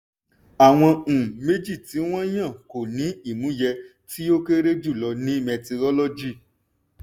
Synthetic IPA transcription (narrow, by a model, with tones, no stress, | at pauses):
a˨w̃ɔ̃˧˨me˦d͡ʒi˦˨ti˨˦w̃ɔ̃˦j̃ã˦˨ko˨nĩ˨˦i˦˨mũ˨˦jɛ˧ | ti˦o˦ke˦ɾe˦d͡ʒu˦˨lɔ˧nĩ˦mɛ̃˧ti˧ɾɔ˦lɔ˦d͡ʒi˦˨